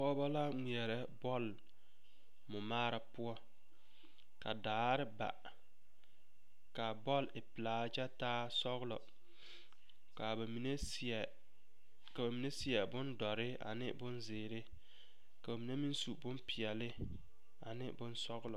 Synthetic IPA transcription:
pɔ˦ba˦la˦ŋi˨ɛ˨ɾɛ˦bɔ˦˨l | mʊ˨maː˦ɾa˨pʊ˦ɔ˦ | ka˨daː˨˦ɾɪ˦ba̰˨ | ka˨bɔ˦˨lɪ˨pɪ˨laː˦d͡ʒa˦taː˦sɔ˦ɣlɔ˨ | ka˨mi˨n˦˨ | ka˨ba˨mi˨ne˦sɪ˦ɛ˨bʊ˦ndɔ˨ɾɪ˦a̰˨nɪ˦bʊ˦nzɪː˨ɾɪ˦ | ka˨ba˨mi˨ne˦mi˦nsu˨bʊ˦mpɪ˨ɛ˨lɪ˦ | a˨nɪ̰˦bʊ˦nsɔ˦ɣlɔ˨

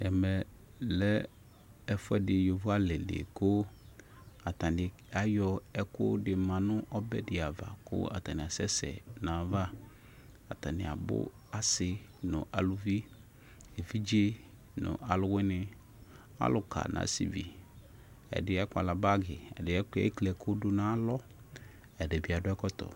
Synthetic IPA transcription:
ɛ˨mɛ˨ | lɛ˦ | ɛ˦fʊ˦ɛ˦dɪ˨jo˨vu˦a˦lɛ˨lḛ˨kʊ˦ | a˨tã˨dɪ˨ | a˦jɔ˦ɛ˦kʊ˦dɪ˨mã˨nʊ̃˦ʔɔ˦bɛ˦dɪ˨a˨va̰˨kʊ̰˦a̰˨ta˨nɪ˨a˨sɛ˦sɛ̰˨nã˨˦va˦ | a˨ta˨nɪ˨a˨bʊ̰˦ | a˦sɪ˦nʊ̰̃˨ʔa˨lʊ˨vi˦ | e˨vi˦d͡ʒe˦ | nʊ̰˨ʔa˨lʊ˦wɪ˦nɪ˦ | a̰˦lʊ˨kʰa̰˨nʔa̰ː˨˦sḭ˨vḭ˨ | ɛ̰˨dɪ˨ɛ˦kʊ˦a̰˨la˨ba˦ɡɪ˨ɛ̰˨dɪ˨ɛ˦kɛ̰˦klɛ˨kʰʊ˦dʊ˦nã˦lɔ˦ | ɛ˨dɛ˨bi˨a˨dʊ˦ɛ˦kɔ˦tɔ̰˨

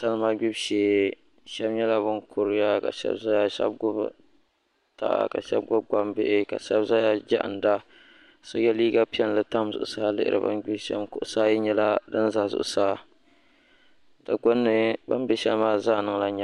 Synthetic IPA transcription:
sa˦lma˦ɡi˦bʃeː˨ | ʃɛ˦bɲɛ˦la˦bʊ˦nkʰʊ˨ɾɨ˦ja˦ka̰˨ʃɛ̰˦bza˦ja˦ʃɛ̰˦b̚ɡʊ˦b | ta̰˨ʔa̰˦ka̰˨ʃɛ̰˦b̚ɡʊ˦b̚ɡa˦mbɪ˦ʔɪ˦ka̰˨ʃɛ˦bza˦ja˦d͡ʒa̰˦ʔa̰˨n˨da˦ | so˦ɡɛ˦liː˦ɡa˦pi˦ɛ˦n˨lɨ˨ta˦mzʊ̰˨ʔʊ˨saː˦lɨ̰˦ʔɪ̰˦˨ɾɨ̰˨ba̰˦nɡ͡bi˦bʃɛ̰˦mkʊ˨ʔʊ˨saː˦jɪ˦ɲɛ˦la˦dɨ˦n˦za˨zʊ̰˨ʔʊ˨saː˦ | ta˨ɡʊ˦nːɨ˨ba˦m˦bɛ˦ʃɛ˦lmaː˦˨zaː˦˨nɨ˦ŋ˦la˦ɲɛ˦

